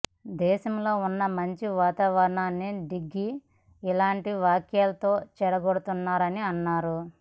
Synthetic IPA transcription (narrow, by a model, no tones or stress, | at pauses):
d̪ɛːʃɐmlo̞ːunːɐmɐɲt͡ʃiʋaːt̪aːʋɐɾɐɳaːnːiɖiɡːiː | laːɳʈiʋaːkjaːlɐt̪o̞ːt͡ʃɛɾɐɡoɽut̪unːaːɾɐniɐnːaːɾu